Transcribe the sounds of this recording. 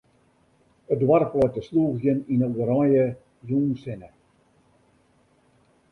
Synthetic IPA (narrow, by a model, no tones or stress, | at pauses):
ədwarflɔjtəsluːɣjəninəəɾɔjə | juːnsɪnə